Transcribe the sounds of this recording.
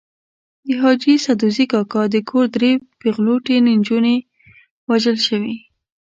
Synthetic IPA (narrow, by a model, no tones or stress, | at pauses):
d̪əɦɑd͡ʒisad̪uzikɑkɑd̪əkʰoɾd̪ɾepeɣloʈenend͡ʒune | waʒəlʃəwi